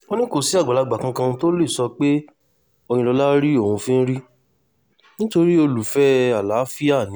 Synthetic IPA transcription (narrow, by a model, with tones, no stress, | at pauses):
o˧nĩ˦ko˨si˨˦a˦˨ɡ͡ba˨la˨˧ɡ͡ba˨kã˧kã˧to˦le˦˨sɔ˧k͡pe˦ | o˧j̃ĩ˧lɔ˧la˦ɾi˦o˦˨ũ˧fĩ˦n̩˦ɾi˦ | nĩ˦to˧ɾi˦o˧lu˨fɛ˦a˨la˨˦fi˦a˦˨nĩ˨˦